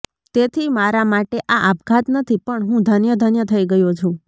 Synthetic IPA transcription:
t̪et̪ʰimaɾamaʈeʔaʔap̚kʰat̪nət̪ʰipəɳɦũd̪ʱənjəd̪ʱənjət̪ʰəiɡəjot͡ʃʰũ

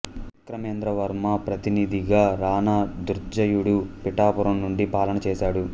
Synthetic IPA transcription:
ik̪ɾɐmeːnd̪ɾɐʋɐɾmɐpɾɐt̪inid̪ʱiɡaːɾaːnad̪uɾd͡ʒɐjuɽupiʈaːpuɾɐmnuɳɖipaːlɐnɐt͡ʃɛːʃaːɽu

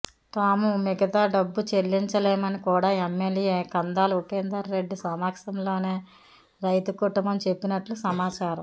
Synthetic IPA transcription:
t̪aːmumɛɡɐt̪aːɖɐbːut͡ʃelːiɲt͡ʃɐleːmɐnikuːɽaːemːeljeːkɐnd̪aːluʈeːnd̪ɐɾɾeɖːisɐmaːkʂɐmlo̞ːne̞ː | ɾɐjt̪ukuʈumbɐmt͡ʃe̞pːinɐʈlusɐmaːt͡ʃaːɾɐm

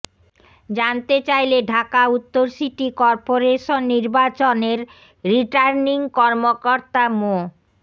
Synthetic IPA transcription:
d͡ʑant̪et͡ɕajleɖʱakaut̪ːoɾsiʈikɔɾpoɾeʃonːiɾbat͡ɕoneɾ | ɾiʈaɾniŋkɔɾmokoɾt̪amo

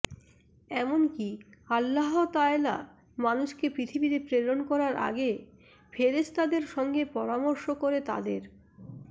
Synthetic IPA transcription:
ɛmonkialːaɦot̪aela̰ | manuʃkepɾit̪ʰibiɾepɾeɾonkɔɾaɾʔa̰ɡe | fʰeɾet͡ɕʰt̪ad̪eɾʃɔŋɡepɔɾamoɾʃokoɾet̪a̰d̪eɾ

